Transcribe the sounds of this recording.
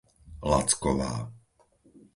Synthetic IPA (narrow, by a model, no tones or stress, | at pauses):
la̰t͡skɔʋa̰ː